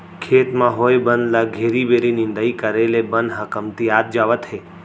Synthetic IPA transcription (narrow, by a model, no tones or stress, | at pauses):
kʰet̪mãɦojbənlaɡʱeɾibeɾinɪ̃nd̪əikəɾelebənɦəkəmt̪iat̪̚d͡ʒaʋət̪ɦe